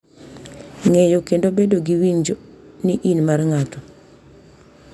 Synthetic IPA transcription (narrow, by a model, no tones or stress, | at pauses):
ŋejokendobedoɡiwiɲd͡ʒoniʔinmarŋatɔ